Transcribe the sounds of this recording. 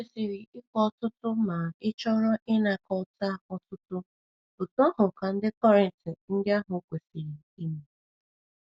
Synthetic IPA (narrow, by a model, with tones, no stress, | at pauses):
e˨si˨ɾi˨ɪ˦kʷɔ˦˨tʊ˦tʊ˦ma˨ɪ˦t͡ʃɔ˦ɾɔ˦ʔɪ˦na˨kɔ˨˦ta˦˨ɔ˨tʊ˦tʊ˦ | bʊ˨tu˦ɔ˦ɦʊ˨ka˨n̩˦dɪ˦kɔ˦ɾe˨n˨tɪ˨n̩˦dɪ˦a˦ɦʊ˨˦kʷe˨si˨ɾi˨ | i˦mi˨